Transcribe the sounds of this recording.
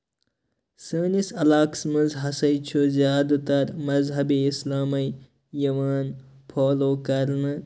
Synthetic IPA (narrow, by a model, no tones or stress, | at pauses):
səːnisɐlaːksmɐzɦɐsɐjt͡ʃʰuzijaːd̪ut̪ɐɾmɐzɦɐbiislaːmɐj | jɐmaːn | pʰoːloːkɐɾnɨ